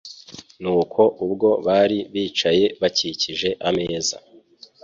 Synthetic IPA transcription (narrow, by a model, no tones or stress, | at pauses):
nuːkʰo̞ʔubɡo̞βaːɾiβiːt͡ʃaje̞βaciciʒe̞ʔame̞ːza̰